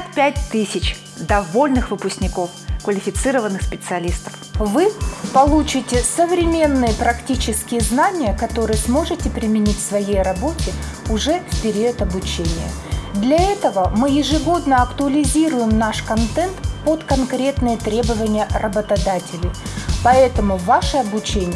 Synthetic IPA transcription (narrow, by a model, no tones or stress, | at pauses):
t̪pʲæt̚ʲt̪ɨsʲɪt͡ɕ | d̪ɐvo̞lʲnɨxvɨpʊsʲknʲɪko̞fkvəlʲɪfʲɪt̪sɨɾəvənːɨxspʲɪt̪sɨɐlʲist̪ə̥fvɨpɐlˠut͡ɕɪtʲɪsəvɾʲɪmʲe̞nːɨjəpɾɐktʲit͡ɕɪskʲɪjəznanʲɪjəkɐt̪o̞ɾɨjəsmo̞ʐɨtʲɪpɾʲɪmʲɪnʲitʲfʲsvɐjejrɐbo̞tʲɪʊʐɛfpʲɪɾʲiət̪ɐbʊt͡ɕenʲɪjə̰ | d̪lʲɐɛt̪əvəmɨjɪʐɨɡo̞d̪nəɐkt̪ʊəlʲɪzʲiɾʊjɪmnaʂkɐnt̪ɛnt̪pot̪kɐnkɾʲet̪nɨjət̪ɾʲe̞bəvənʲɪjərəbət̪ɐd̪atʲɪlʲɪjpɐɛt̪əmʊvaʂɨɐbʊt͡ɕenʲɪ